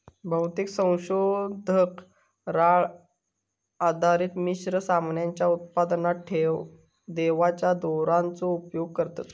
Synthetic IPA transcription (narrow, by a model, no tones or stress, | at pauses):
bʱəwt̪iksə̃w̃ɕod̪ʱək | ɾaɭ | ad̪ʱaɾiːt̪miɕɾəsamnjaɲt͡ɕjaut̪̚pad̪naʈʰeʋ | d̪eʋat͡ɕjad̪oɾant͡soupjoɡ̚kəɾt̪at̪